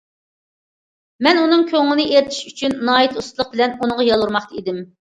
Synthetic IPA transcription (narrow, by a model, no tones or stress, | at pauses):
mɛnunɨŋkʲʰøŋːɪnɨʔeɾt̪ʰi̥ʃyt͡ʃʰynːɑːit̪ʰust̪lˠəq̚bɪlɛnunɨŋʁɑjɑlˠuɾmɑχt̪ɑid̪ɪm